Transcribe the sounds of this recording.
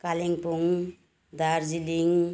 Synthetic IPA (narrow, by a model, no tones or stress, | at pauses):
kaliŋpuŋ | d̪aɾziliŋ